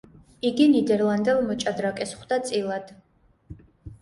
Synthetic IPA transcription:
iɡinid̪ɛɾlˠand̪ɛlˠmɔt͡ʃʼad̪ɾakʼɛsχd̪at̪sʼilˠad̪̥

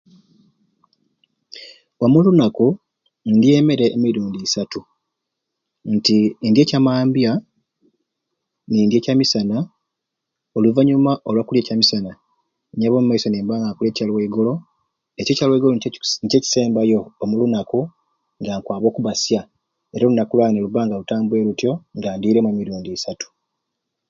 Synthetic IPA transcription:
omulunaku | ndje̞me̞ɾe̞ʔːmiɾuːndisatu | ntindje̞ːcamaːmbja | niːndje̞ːcamisana | oluvaɲumaʔo̞lwakulje̞ːcamisana | ɲaβo̞ːmuːaiso̞neːmbaːŋɡakulje̞ːcalweɡo̞lo̞ | ececalweɡo̞lonce̞ːci̥se̞ːmbajo̞ːmulunaku | ŋɡaːŋkwaːβo̞ːkuβasja | eɾalunakulwaneoluβaːŋɡalutaːmbuwe̞ːɾutjo̞ŋɡaːndiːɾe̞mwemiɾuːndiːsatu̥

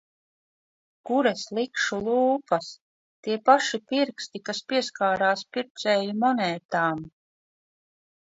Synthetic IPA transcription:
kuɾɛslˠikʃulˠuːpas | t̪iɛpaʃipiɾkst̪ikaspiɛskaːɾaːspiɾt̪sɛːjimɔnɛːt̪aːm

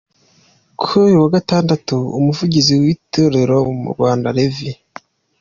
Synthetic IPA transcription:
kʰuujuwaɡataːndatuṵmuvuɟiziwitoɾe̞ɾoumṵɾɡwaːndaɾevi

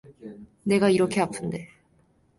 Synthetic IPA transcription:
ne̞ɡaiɾo̞keapɯ̃nd̪e̞

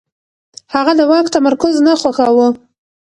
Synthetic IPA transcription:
haɣad̪əwɑkt̪amaɾkʊznaxwaxɑwu

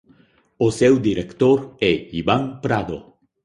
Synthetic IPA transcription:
osewd̪iɾekt̪oɾɛibaŋpɾad̪o̰

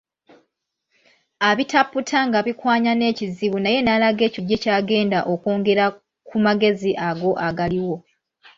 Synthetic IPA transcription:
aβitapːutʰaŋɡaβikwaːɲane̞ːciziβunaje̞nalaɡe̞ːciɟːe̞caːɡe̞ːndaʔo̞ko̞ːŋɡe̞ɾa | kʰumaɡe̞ziʔaɡo̞ʔaɡaliwo̞

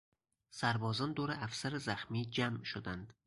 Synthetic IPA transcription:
sæɾbɒːzɒnd̪oɾeʔæfsæɾezæxmid͡ʒamʃod̪ænd̪̥

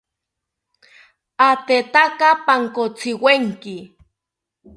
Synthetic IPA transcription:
at̪et̪akapaŋkot͡sɪweŋkɪ

